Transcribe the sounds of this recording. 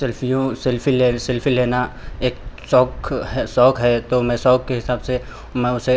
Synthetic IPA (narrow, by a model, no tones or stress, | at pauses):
sɪlfijõsɪlfileːsɪlfileːnaeːksɔːkɦɛsɔːkɦɛt̪omɛ̃sɔːkːeɦɪsaːbse | mɛ̃ʊse